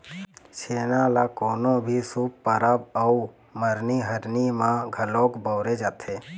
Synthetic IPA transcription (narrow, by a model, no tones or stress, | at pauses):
seːnalakoːnõbʱisuːppəɾabəu | məɾniɦəɾnimãɡʱəloːkbəːɾed͡ʒaːt̪ʰeː